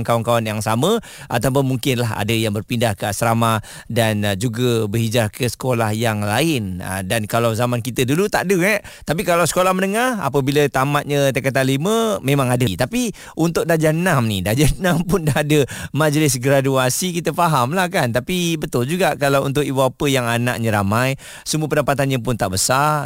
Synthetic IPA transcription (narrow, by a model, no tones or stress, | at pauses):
nkawankawanjaŋsamə | ʔat̪awp̬ʊnmuŋkɪnlaɦa̰dəjaŋbərpindahkəasɾama | dand͡ʒuɡəbəɦid͡ʒarkəsə̥kolahjaŋlaɪnə̰dankalawzamankit̪ədulut̪a̰ʔdəŋɛ | t̪ap̬ikalawsə̥kolahmənəŋara̰pəbilət̪amat̪̚ɲət̪əkat̪anliməmemãŋadət̪api | unt̪ʊk̚dad͡ʒanamnidad͡ʒanãmpʊndaɦadəmad͡ʒlɪs̬ɡɾaduasikit̪əfaɦamlahkant̪apibət̪ʊld͡ʒuɡaʔkalawunt̪̬ʊkibuapəjaŋana̰ʔɲəɾamaj | səmuəpəndapat̪anɲəp̬ʊnt̪aʔbəsa